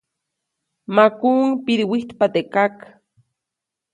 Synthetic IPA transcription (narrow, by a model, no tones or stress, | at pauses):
makuŋpiɾiwiht̪pat̪ekak